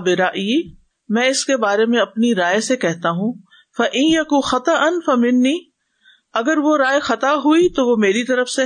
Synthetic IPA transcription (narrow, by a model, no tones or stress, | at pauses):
bɪɾaʔi | mɛ̃ːɪskebaːɾemẽɐpniɾaːesekɛɦt̪aɦũː | fɐʔɪnjɐkũːxɐt̪ɐʔɐnfɐmɪnːiː | ɐɡəɾʋoɾaːexɐt̪aɦuit̪oʋomeːɾit̪ɐɾəfse